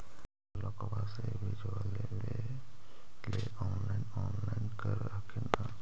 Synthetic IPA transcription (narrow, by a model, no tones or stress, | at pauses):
lɔkɔbasɛbʱid͡ʒiale | le | le | ɔnlajnɔnlajnkəɾakʰina